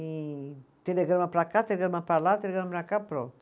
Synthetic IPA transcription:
it̪ed̪eɡeɾmapɾakat̪eɡəɾmapalat̪eeɡəɾmapɾakapɾo

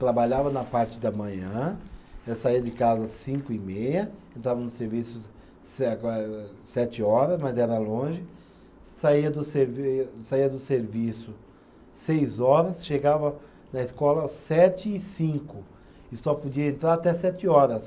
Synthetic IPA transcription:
t̪ɾabaʎavɐnɐpaɾt͡ʃɪd̪ɐmɐ̃ɲɐ̃esaiɐd͡ʒɪkazɐsĩŋkʊɪmejɐẽnt̪ɾavɐnʊseɾvisʊ | s | sɛt͡ʃɪɔɾɐzmɐzɛɾɐlõʒɪ | saiɐd̪ʊseɾvsaiɐd̪ʊseɾvisʊ | sejzɔɾɐsʃeɡavɐ | nɐɪskɔlɐsɛt͡ʃɪɪsĩkʊ | ɪsɔpod͡ʒiɐẽnt̪ɾaɾat̪ɛsɛt͡ʃɪɔɾɐs

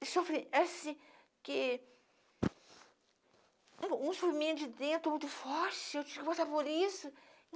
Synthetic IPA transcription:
ɪsofɾiɛsĩ | kɪ | ũũsofɾimẽt̪ʊd͡ʒɪd̪ẽnt̪ɾʊmũj̃t̪ʊfɔɾt͡ʃɪewt͡ʃĩvʊkɪpasaɾpoɾisʊ̃

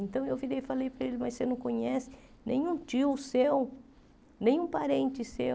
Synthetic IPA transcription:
ẽnt̪ɐ̃w̃ewviɾejfalejpɾɐelɪmɐjsenɐ̃w̃kõɲɛsɪ̥ | nḛ̃j̃ũt͡ʃiwʊsew | nẽj̃ũpaɾẽnt͡ʃɪse

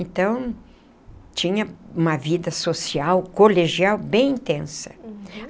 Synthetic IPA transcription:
ẽnt̪ɐ̃w̃ | t͡ʃĩɲɐũmɐvid̪ɐsosiawkoleʒiawbẽj̃ĩnt̪ẽsɐ̥

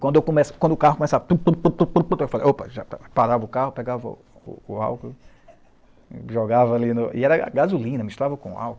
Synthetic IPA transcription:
kwɐ̃nd̪ewkõmɛskwɐ̃nd̪ʊkahʊkomesavɐpupupupupupũt̪ewfalḛʔowpɐʒapaɾavɐʊkahʊpɛɡavɐʊ̰ | ṵːa̰wkl | ʒɔɡavɐːlinʊḭɛɾɐ̰ɡazulĩnɐmiʃt̪uɾavɐkõa̰wkl

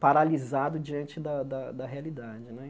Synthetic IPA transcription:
paɾalizad̪ʊd͡ʒiɐ̃nt͡ʃɪd̪ɐd̪ɐd̪ɐɦealid̪ad͡ʒɪnɛ

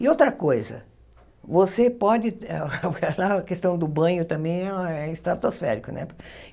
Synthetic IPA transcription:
ɪowt̪ɾɐkojzɐ̰ | vosepɔd͡ʒɪɛ̰kɛlaɐkest̪ɐ̃w̃d̪ʊbɐ̃j̃ʊt̪ɐ̃mbẽj̃ɛɛɪst̪ɾat̪osfɛ̰ɾikʊnɛ̰p

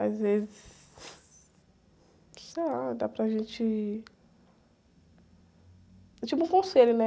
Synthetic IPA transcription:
azvezɪss | sejlad̪apɾɐʒẽt͡ʃɪ | t͡ʃivɪũkõselʊnɛ

